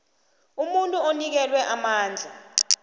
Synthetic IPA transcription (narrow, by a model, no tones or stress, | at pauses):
umuntʼuonik̬ɛlwɛʔamaːnd͡ɮʱa